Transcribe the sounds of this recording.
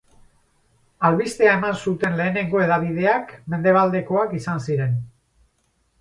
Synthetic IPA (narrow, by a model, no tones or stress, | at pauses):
alβist̪e̞ae̞mansut̪e̞nle̞ːne̞ŋɡo̞e̞ðaβ̞iðe̞akme̞nd̪e̞β̞ald̪e̞ko̞akisansiɾe̞n